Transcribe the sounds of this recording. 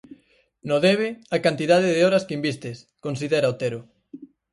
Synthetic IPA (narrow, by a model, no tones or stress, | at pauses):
noðeβ̞ɪakant̪iðaðɪðɪɔɾɐskeimbist̪ɪs | konsiðeɾaot̪eɾʊ